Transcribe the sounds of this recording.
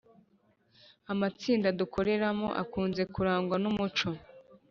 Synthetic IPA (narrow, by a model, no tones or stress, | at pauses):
amat͡siːndadukʰo̞ɾe̞ɾamo̰ʔa̰kuːnze̞kuɾaːŋɡwanumut͡ʃo̞